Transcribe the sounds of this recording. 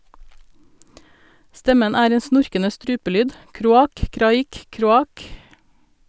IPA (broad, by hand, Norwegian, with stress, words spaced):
ˈstɛmən ˈæːɾ ˈeːn ˈsnʊɾkənə ˈstɾʉːpəˌlyːd ˈkɾuːˌɑːk ˈkɾɑːˌiːk ˈkɾuːˌɑːk